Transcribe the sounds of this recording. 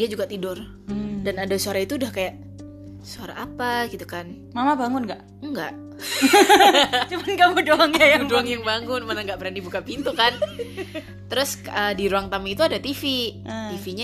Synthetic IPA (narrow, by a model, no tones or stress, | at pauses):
diad͡ʒuɡat̪idʊr | danadasuaɾait̪uːdahkajaʔ | suaɾa̰ʔapaɡit̪ukan | mamabaŋʊnɡaʔ | əŋɡa̰ʔ | t͡ʃumanɡamudoaŋkajamudoaŋjaŋbaŋʊnmanaŋɡaʔbəɾanibukapint̪ukan | t̪əɾʊsədiɾuaŋt̪amiit̪uadat̪ifit̪ifiɲa